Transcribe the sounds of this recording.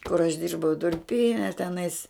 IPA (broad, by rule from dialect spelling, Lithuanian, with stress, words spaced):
kʊr ɐʃ ˈdʲɪrbɐʊ dʊrʲˈpʲiːnʲɛ tʲɛˈnɐɪs